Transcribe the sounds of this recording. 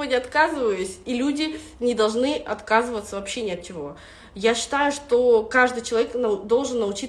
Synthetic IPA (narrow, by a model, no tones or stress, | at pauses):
onʲɪɐt̪kazɨvəjʊsʲilʲudʲɪ | nʲɪd̪ɐlˠʐnɨʔɐt̪kazɨvət̪səvɐpɕːenʲɪɐt̪̚t͡ɕɪvo̞ | jaɕːɪ̥t̪ajʊʂt̪okaʐd̪ɨjt͡ɕɪlˠɐvʲeknd̪o̞lˠʐɨnːəʊt͡ɕi